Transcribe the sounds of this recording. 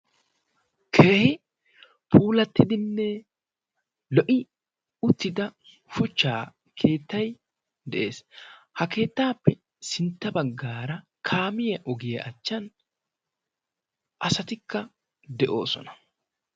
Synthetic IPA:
kʰe̞ːhɪ | pʰuːlɐt̪ːɪd̪ɪnːɛ | lɔʔɪ | ʊt̪ːɪd̪ɐ | fʊt͡ʃːa̰ː | kʰe̞ːt̪ːɐj | d̪ɛʔe̞ːshɐke̞ːt̪ːaːpːɛ | sɪnt̪ːɐbɐɡːaːɾɐ | kʰaːmɪjɐʔɔɡɪjɐʔɐt͡ʃːɐn | ʔɐsɐt̪ɪkːɐ | d̪ɛʔo̞̰ːsɔ̰nɐ̥

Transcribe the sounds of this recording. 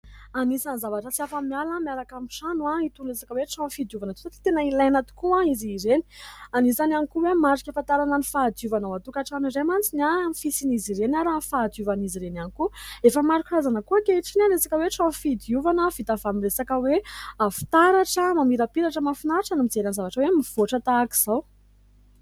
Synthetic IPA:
anisanzavaʈ͡ʂət͡siafamialamiaɾakamiʃanuait̪unresḁkəweʈ͡ʂãfid̪iuvanət̪u̥t̪t̪i̥t̪enailajnat̪u̥kuaiziɾeni̥anisananikuwemaɾikʲafant̪aɾananifad̪iuvanawat̪ukaʈ͡ʂaniɾemant͡sinamifisiniziɾenaɾanfad̪iuvaniziɾenanikuefəmaɾukurazanəkuəkeiʈ͡ʂinaɾesakəweʈ͡ʂãfid̪iuvanəv̥it̪avamiresakəweafi̥t̪aɾaʈ͡ʂəmamiɾapiɾaʈ͡ʂəmafinaʈ͡ʂanamid͡zeɾanzavaʈ͡ʂəwemiv̥oʈ͡ʂət̪aːki̥z̥aw

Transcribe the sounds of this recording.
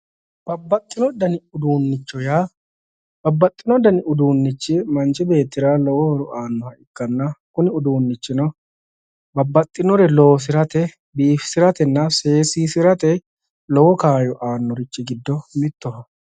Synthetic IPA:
b̥ɐbːɐt̪ʼːɪnɔd̪ɐnɪʊd̪uːnːɪt͡ʃːɔjaː | bɐbːɐt̪ʼːɪnɔd̪ɐnɪʔʊd̪uːnːɪt͡ʃːɪmɐnt͡ʃɪbe̞ːt̪ːɪɾaːlɔwɔhɔɾʊʔaːnːɔhɐɪkːɐnːɐkʊnɪʊd̪uːnːɪt͡ʃːɪnɔ | bɐbːɐt̪ʼːɪnɔɾɛlɔwɔs̬ɪɾɐt̪ɛ | biːfɪ̥sɪɾɐt̪ɛnːɐse̞ːsiːsɪɾɐt̪ɛ | lɔwɔkaːjɔʔaːnːɔɾɪt͡ʃːɪɡɪd̪ːɔmɪt̪ːɔɦɐ

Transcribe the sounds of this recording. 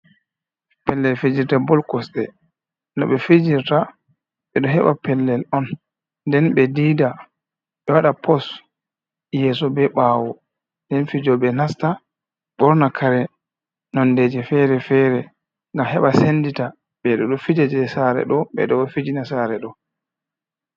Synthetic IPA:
pɛlːɛlfed͡ʒiɾtabɔlkɔsɗɛ | nɔɓɛfid͡ʒiɾta | ɓɛɗɔɦɛɓapɛlːɛlɔn | dɛnɓɛdiːda | ɓɛwaɗapʰɔs | jɛsɔbɛɓaːwɔ | ndɛnfid͡ʒɔɓɛnasta | ɓɔɾnakʰaɾɛ | nɔnded͡ʒɛfɛɾɛfɛɾɛ | ŋɡamhɛɓasendita | ɓɛɗɔɗɔfid͡ʒad͡ʒɛsaɾɛ̰ɗɔɓɛ̰ɗɔɛfid͡ʒinasaɾɛɗɔ

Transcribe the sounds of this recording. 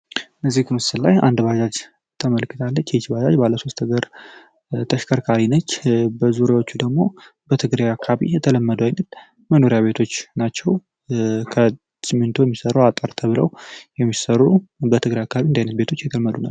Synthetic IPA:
ʔəzːihkɨmɨsɨllajand̪bad͡ʒad͡ʒ | t̪ʰəməlkʰːɨt̪ʰalːət͡ʃːjɛt͡ʃbad͡ʒa̰d͡ʒbalːəso̞st̪ʰɨɡəɾ | t̪ʰəʃkʰəɾkʰaɾinət͡ʃːbəzuɾjawo̞t͡ʃːud̪əɡmo̞ | bət̪ʰɨɡɾajakʰːaβḭjɛt̪ʰələmːəd̪əwajnəl | məno̞ɾijaβe̞t̪ʰo̞t͡ʃːnat͡ʃːɛw | kʰə | sɨmːɨnt̪ʰo̞jɛmːisəɾəwat̪ʼəɾt̪ʰəβɨləwjɛmːisərubət̪ʰɨɡɾajakʰːaβiɨnd̪ajnət̪be̞t̪ʰo̞t͡ʃːjɛt̪ʰəlmːəd̪una̰

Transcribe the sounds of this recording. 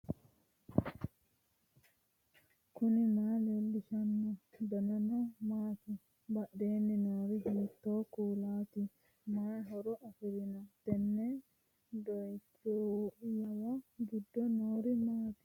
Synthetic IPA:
kuninaːlelːiʃanːɔd̪ɔnanɔmaːt̪i | baɗːeːnːinaːɾiɦiːt̪ːɔːkuːlaːt̪i | maɦɔɾɔʔafiɾinat̪ɛnːɛ | dɔjtojawaɡidːɔnoːɾimaːt̪i̥

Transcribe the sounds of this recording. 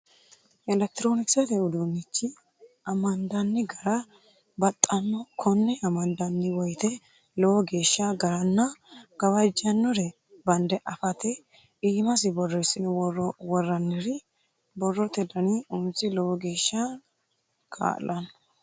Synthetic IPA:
ʔɛlɛk̚t̪ɪɾoːnɪksɛt̪ɛʊd̪unːɪt͡ʃːɪ | ɐmɐnd̪ɐnːɪɡɐɾɐ | bɐt̪ʼːɐnːɔkʰɔnːɛɐmɐnd̪ɐnːɪwɔjt̪ɛ | lɔwɔɡe̞ːʃːɐɡɐɾɐnːɐɡ̥ɐwɐd͡ʒːɐnːɔɾɛ | bɐnd̪ɛʔɐfɐt̪ɛ | iːmɐs̬ɪbɔrːɔɪsɪnɪwɔrːɐnːɪɾɪ | bɔrːɔt̪ɛd̪ɐniʊnsɪlɔwɔɡeːʃːa | kʰa̰ːlːɐnːɔ

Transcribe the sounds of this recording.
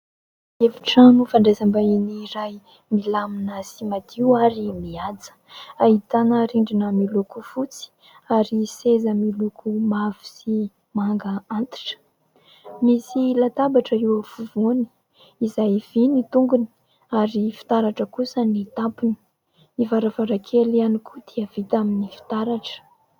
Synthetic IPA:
eviʈ͡ʂanufaɳɖ͡ʐezambainiɾaj | milaminəsimat̪iwaɾimiad͡zə̥ait̪anəɾiɳɖ͡ʐinəmilukufut͡si̥ | aɾisezəmilukʰumavi̥si | maŋɡəant̪i̥ʈ͡ʂə̥ | misilat̪abaʈ͡ʂəiwəfuvoni̥ː | zajv̥init̪uŋɡuni̥ | aɾifi̥t̪aɾaʈ͡ʂəkusənit̪apini̥ | ivaɾavaɾakʰelianikud̪iəv̥it̪aminifi̥t̪aɾaʈ͡ʂə̥

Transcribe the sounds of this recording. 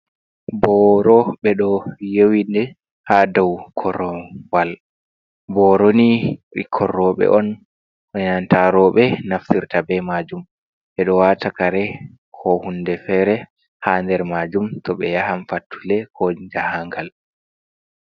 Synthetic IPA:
bɔɾɔɓɛɗɔjewindɛ | hadɔwkʰɔɾɔwal | bɔɾoniḭkʰɔrːɔɓɛ̰ʔɔn | ʔɔnantaɾɔɓɛnaftiɾtabɛmad͡ʒum | ɓɛɗɔwatʰakaɾɛ | kʰɔhundɛfɛːɾɛ | haːndɛɾmad͡ʒumtɔɓɛjahamfatʰːulɛkʰɔd͡ʒahaŋɡal

